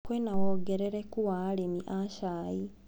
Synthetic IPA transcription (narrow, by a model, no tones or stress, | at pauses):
kwenawoɡeɾeɾekuwaːlemiʔaʃai